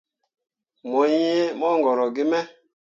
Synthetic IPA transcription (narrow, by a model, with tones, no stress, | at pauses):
mo˨i˦je˦mɔ˦ŋɡɔ˨ɾɔ˨ɡɪ˦mɛ˦